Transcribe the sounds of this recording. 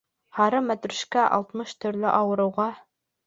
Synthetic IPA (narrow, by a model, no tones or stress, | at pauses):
hɑɾɤmæt̪ɾɵ̆ʃkæʔɑ̰lˠt̪mɤʃt̪ɵ̆ɾlɘʔɑwɤ̆ɾɤ̆wʁɑ